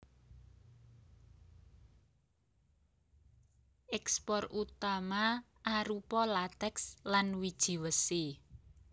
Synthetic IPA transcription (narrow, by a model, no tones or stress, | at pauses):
ʔɛkspɔrut̪ama | ʔaɾupɔlat̪ɛkslanwid̥ʒ̥i̤wəse